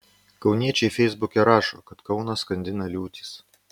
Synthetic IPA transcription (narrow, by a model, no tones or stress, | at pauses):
kɒʊnʲiɛt͡ʃʲɛɪfʲɛɪzbʊkʲɛɾɑːʃo̰ːkɐt̪kɐʊnɐskɐnʲd̪ʲɪnɐlʲuːt̪ʲi̥s